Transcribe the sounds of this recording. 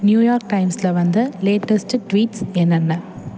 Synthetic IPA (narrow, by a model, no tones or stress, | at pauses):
njuːjaːɾk̚ʈɐɪmslɐʋɐnd̪ɯleːʈɐsʈʈʋiːʈsɛnːɐnːɐ